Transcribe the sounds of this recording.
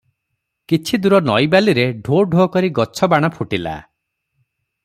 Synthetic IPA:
kit͡ʃʰid̪uɾɔnɔjbaliɾeɖʱoɖʱokɔɾiɡɔt͡ʃʰɔbaɽ̃ɔpʰuʈila̰

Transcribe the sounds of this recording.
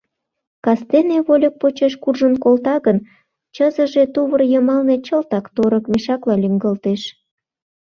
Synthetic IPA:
kɑst̪eneβolʲək̚pot͡ɕeʃkurʒənkolt̪ɑɣən | t͡ɕəzəʒet̪uβərjəmɑlnet͡ɕəlt̪ɑkt̪oɾəkmeʃɑklɑlʲyŋɡəlt̪eʃ

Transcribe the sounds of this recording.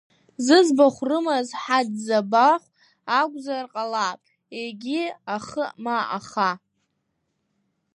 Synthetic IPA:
zɨzbaχʷrɨmazħadzabaχʷ | aɡʷʼzarqʼalapʼ | eɡʲiaχəmaʔaχa

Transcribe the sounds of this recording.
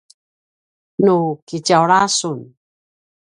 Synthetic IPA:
nukicawɾasun

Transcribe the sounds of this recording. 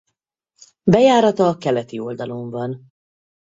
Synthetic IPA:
bɛjaːɾɒt̪ɒːkɛlɛt̪io̞ld̪ɒlo̞ɱvɒn

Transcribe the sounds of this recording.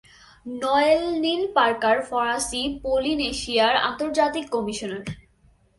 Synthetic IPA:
nɔelnilpaɾkaɾfɔɾasipolineʃiaɾa̰nt̪oɾd͡ʑat̪ikːɔmiʃoneɾ

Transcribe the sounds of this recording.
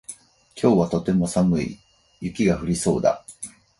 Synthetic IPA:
kʲo̞ːβat̪o̞t̪e̞mo̞samɯ̟ḭ | jɯ̟kʲiɡaɸɯ̟ɾʲiso̞ːd̪a̰

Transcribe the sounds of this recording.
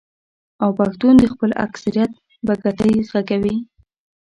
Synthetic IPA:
awpaxt̪und̪əxpəla̰ksaɾijat̪̚ | baɡaʈəjzɣakawi

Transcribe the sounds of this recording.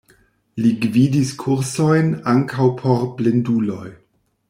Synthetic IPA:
liɡvidiskʰuɾsojnaŋkʰawpʰo̞ɾblendulo̞j

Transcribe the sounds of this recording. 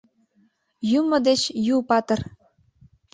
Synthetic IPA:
jumŏd̪et͡ɕjupɑt̪ɤ̆r

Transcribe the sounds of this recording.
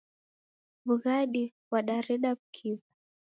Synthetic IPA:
ɓuɣaɗi | waɗaɾɛɗab̚kʰiva

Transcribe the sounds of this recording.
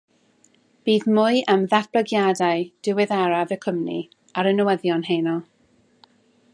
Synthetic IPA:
b̥iːðmʊɨʔəmðarb̥ləɡjadaɨd̥ɪwɛðaɾavəkʰəmnḭ | aɾənəwɛðjɔnɦejnɔlˠ

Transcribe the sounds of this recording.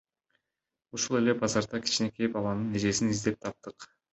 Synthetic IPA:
uʃulˠe̞le̞bɑzɑɾd̪ɑkʲʰi̥t͡ʃine̞kʲʰepbɑlˠɑnɯne̞d͡ʒe̞sinizd̪e̞p̚t̪ʰɑp̚t̪ɯq

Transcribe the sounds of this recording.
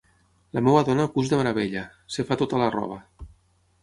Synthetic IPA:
lamewaðɔnakuzðemaɾaβ̞eʎasefat̪ot̪alarɔ̰β̞a

